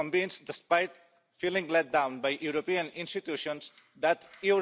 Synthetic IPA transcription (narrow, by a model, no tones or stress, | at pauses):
ɔ̃ɱvĩnsd̪ɛspajt̪ | filĩŋlɛt̚d̪ãw̃nbajʔjuɾopiə̃nĩnst̪it̪juʃɔ̃ns | d̪æt̪ju